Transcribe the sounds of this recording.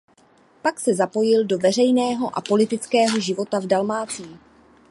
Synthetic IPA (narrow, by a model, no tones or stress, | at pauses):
paksɛzapo̞jɪldo̞vɛr̝ɛjnɛːɦo̞ʔa̰po̞lɪt̪ɪt͡skɛːɦo̞ʒɪvo̞t̪avdalmaːt͡siː